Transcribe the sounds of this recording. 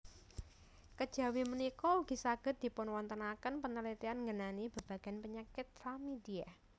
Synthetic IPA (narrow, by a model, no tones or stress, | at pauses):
kəd̥ʒ̥ä̤wimənikɔuɡ̥isaɡ̥ə̤t̪̚d̥i̤pʊnwɔnt̪ənakənpənəlit̪ianŋɡənanib̥ə̤b̥aɡ̥a̤npəɲakɪt̪̚famid̪ia